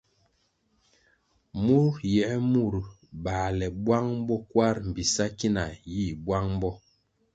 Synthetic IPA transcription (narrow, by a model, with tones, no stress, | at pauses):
mu˦ɾjɛ˨˦mu˦˨ɾ | ba˨lɛ˨bwa˦ŋ˦bɔ˦kwa˦ɾm̩˨bi˨sa˦ki˦na˨ji˦˨bwa˦ŋm˦bɔ˦